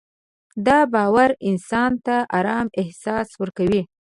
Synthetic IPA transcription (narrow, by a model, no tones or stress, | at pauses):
d̪ɑbɑwaɾɪnsɑnt̪aʔaɾɑmɪhsɑswəɾkawi